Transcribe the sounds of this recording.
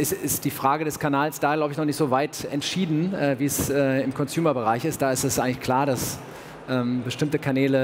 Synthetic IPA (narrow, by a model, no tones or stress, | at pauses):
ʔɪsɪstd̥iːfʁ̥aːɡədɛskʰanaːlsd̥aːɡlaʊbəɪçnɔχnɪçtz̥oːvaɪtɛ̰ntʃiːdn̩ɛːviːɛsɛːɪmkʰɔnzjuːmɐbəʁ̞aɪçɪst̚d̥aːɪstɛsʔaɪɡŋlɪçkʰl̥aːɐɾas | ʔɛːmbəʃtɪmtəkʰanɛːlə